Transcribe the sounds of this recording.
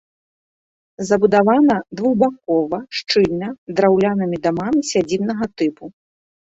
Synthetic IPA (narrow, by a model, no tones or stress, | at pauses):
zɐbud̪avanɐd̪vuɣbak̚ɔvɐʂt͡ʂɨlʲnɐd̪ɾawlʲanɨmʲid̪amamʲisʲad͡zʲibnɐɣɐt̪ɨpu